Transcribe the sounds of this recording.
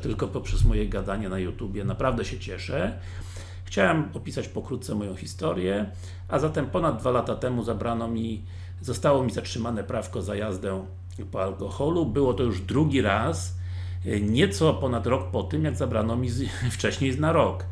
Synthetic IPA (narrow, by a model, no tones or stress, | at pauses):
t̪ɘlkɔpɔpʂɛzmɔjɛɡad̪aɲɛnajut̪ubʲjɛnapɾavd̪ɛɕɛt͡ɕɛʂɛ | xt͡ɕawɛmɔpʲisat͡ɕpɔkɾut̪t̪sɛmɔjɔ̃w̃xʲist̪ɔɾʲjɛ | ʔazat̪ɛmpɔnad̪̚d̪valat̪at̪ɛmuzabɾanɔmʲi | zɔst̪awɔmʲizatʂɘmanɛpɾafkɔzajazd̪ɛ | pɔalkɔxɔlubɘwɔt̪ɔjuʐd̪ɾuɡʲiɾas | ɲɛt̪sɔpɔnat̪ɾɔk̚pɔt̪ɘmjaɡzabɾanɔmʲift͡ʂɛɕɲej̪naɾɔk